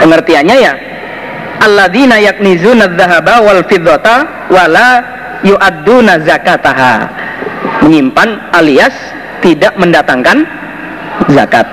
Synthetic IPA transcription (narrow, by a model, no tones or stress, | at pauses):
pəŋərt̪iaɲaja | ʔalːaðinajak̚nizunaðːaɦabawalfɪðːɔt̪a | wala | juʔad̪ːunazakat̪aɦa̰ | məɲimpanʔalias | t̪idaʔməndat̪aŋkan | za̰kat̪̚